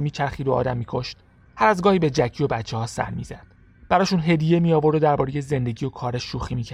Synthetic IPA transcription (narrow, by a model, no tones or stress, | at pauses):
miːt͡ʃʰæɾxiːɾoɒ̰ːd̪æmːiːkʰo̞ʃt̪ | hæɾæzɡɒːhiːbe̞d͡ʒæcʰiːo̞bæt̪t͡ʃʰːehɒːsæ̰ɾmḭːzæ̰d̪̥̚ | b̥æɾɒːʃuːnɦe̞d̪ije̞miːjɒːvo̞ɾd̪od̪æɾbɒːɾe̞je̞ze̞nd̪e̞ɟiːo̞kʰɒːɾeʃːuːxiːmiːcʰæ